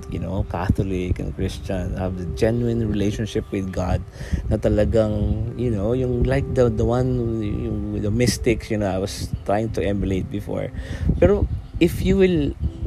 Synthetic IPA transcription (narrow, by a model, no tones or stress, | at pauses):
jʊnokaθolɪknɐ̰̃ŋkɹɪst͡ʃɐ̃nhɐvd̪ɐd͡ʒɛnuɪ̃nɹɪlejʃɔ̃nʃɪpwɪðɡa̰d̪̚nɐt̪ɐlɐɡaŋjʊnowjʊŋlajk̚d̪ɐd̪ɐwãnjʊŋwɪd̪ɐmɪst̪ɪksjʊnoajwɐst̪ɹajɪ̃ŋt̪ʊʔɛmjʊlejt̪̚bɪfo̰ɹpɛɾoʔɪfjuwɪl